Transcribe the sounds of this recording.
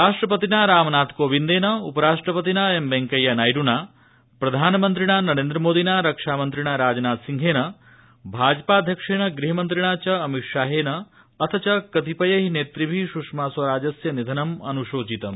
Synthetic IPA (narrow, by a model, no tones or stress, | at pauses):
ɾaːʂʈɾɐpɐt̪inaɾaːmnaːt̪koːʋind̪eːnɐupɐɾaːʂʈɾɐpɐt̪inɐembeŋkɐjɐnaːjɖunaː | pɾɐd̪ʱaːnɐmɐnt̪ɾiɳanɐɾeːnd̪ɾɐmoːd̪ʱinaɾɐkʂaːmɐnt̪ɾiɳaɾaːd͡ʒɐnaːt̪siŋɡʱeːnɐ | bʱaːd͡ʒɐpaːd̪ʱjɐkʂeːɳɐɡɾiɦɐmɐnt̪ɾiɳaːt͡ʃɐːmikʂaːɦeːnɐː | t̪ʰɐt͡ʃɐkɐt̪ipɐjɐɦineːt̪ɾibʱiʃuʂmaːsʋɐɾaːd͡ʒɐsjɐnid̪ʱɐnɐmɐnuʃoːt͡ʃit̪ɐm